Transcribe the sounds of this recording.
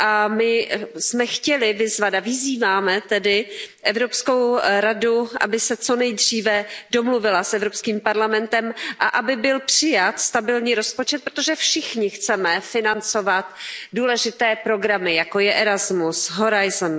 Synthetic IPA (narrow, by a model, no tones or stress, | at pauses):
ʔamɪsmɛxcɛlɪvɪzvat̪avɪziːvaːmɛt̪ɛdɪʔɛvɾo̞psko̞wɾaduʔa̰bɪsɛt͡so̞nɛjdriːvɛdo̞mluvɪlasʔɛvɾo̞pskiːmpaɾlamɛnt̪ɛmʔaʔabɪbɪlpr̝̥ɪjat̪st̪abɪlɲiːɾo̞spo̞t͡ʃɛt̪̚pɾot̪o̞ʒɛfʃɪxɲɪxt͡sɛmɛfɪnant͡so̞vat̪duːlɛʒɪt̪ɛːpɾo̞ɡɾamɪjako̞jɛʔɛɾazmusɦoɾajzn